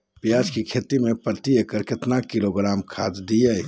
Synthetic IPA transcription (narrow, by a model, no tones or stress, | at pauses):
pjaːd͡ʒkikʰet̪imẽpɾət̪iekəɾket̪nakiloɡɾaːmkʰaːd̪d̪ijə